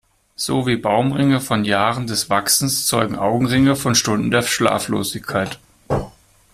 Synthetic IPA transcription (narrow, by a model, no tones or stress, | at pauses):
z̥oːviːbaʊmʁɪŋəfɔnjaːʁəndɛsv̥aksn̩st͡sɔʏɡŋ̩ʔaʊɡŋ̩ʁɪŋəfɔnʃtʊndn̩deːɐʃla̰ːflo̰ːzɪçkʰaɪt